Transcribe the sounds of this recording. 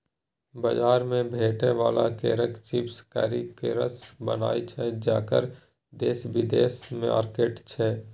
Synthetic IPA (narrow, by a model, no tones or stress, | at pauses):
bad͡ʒaːɾmẽbʱeːʈeʋaːlakḛːɾəkt͡ʃɪpska̰ːɾikeːɾəsbəna̰ːit͡ʃʰɛd͡ʒaːkə̰ɾ | d̪eːsbɪd̪eːsmẽa̰ːɾkeːʈt͡ʃʰɛː